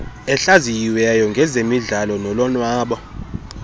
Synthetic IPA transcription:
ɛɬazijiwɛjɔŋɡʱɛzemiɮalɔnɔlɔnwaːɓɔ

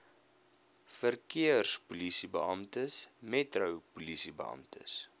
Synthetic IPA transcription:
fərkiərspulisibəɐmtəsmɛtrəwpulisibə̰ʔɐ̰mtə̰s

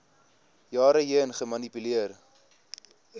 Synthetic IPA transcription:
jɑːɾəɦiənχəmɐnipyliər

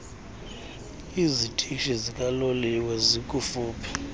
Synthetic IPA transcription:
izitʼiʃizikʼaloliwɛzikʼufuːpʰɛ̥

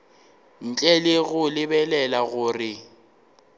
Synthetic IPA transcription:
n̩t͡ɬʼɛlɪɣʊlɪbɛlɛlaɣʊːrɪ

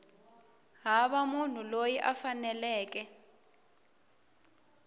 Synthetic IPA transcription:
ɦaɓamun̤ulojiʔafanɛlɛːk̬ɛ

